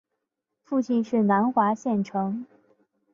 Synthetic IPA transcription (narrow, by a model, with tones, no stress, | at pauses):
fu˥˧t͡ɕʰi˥˧nʂɻ̩˥˩na˧˥nxwa˧˥ɕjɛ˥˩nʈ͡ʂʰɤ˧˥ŋ